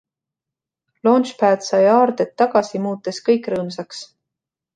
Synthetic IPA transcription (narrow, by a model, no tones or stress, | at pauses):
loːnʃpæːd̪sɑjɑːɾd̪et̪ːɑɡ̥ɑsimuːt̪ːˑeskɤjkˑrɤːmsɑks